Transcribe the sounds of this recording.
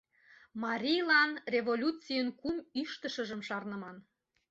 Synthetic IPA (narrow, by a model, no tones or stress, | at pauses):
mɑɾʲijlɑnrʲevolʲut͡sijənkumyʃt̪əʃəʒəmʃɑrnə̆mɑn